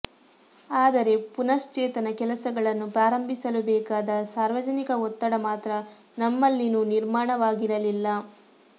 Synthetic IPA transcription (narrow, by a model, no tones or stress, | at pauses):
aːd̪ɐɾe̞punɐst͡ʃeːt̪ɐnɐkɛlɐsɐɡɐɭɐnːupɾaːɾɐmbʱisɐlubɛːkaːd̪ɐsaːɾʋɐd͡ʒɐnikɐɔt̪ːɐɽɐmaːt̪ɾɐ | nɐmːɐlːinuːniɾmaːɳɐʋaːɡiɾɐlilːɐ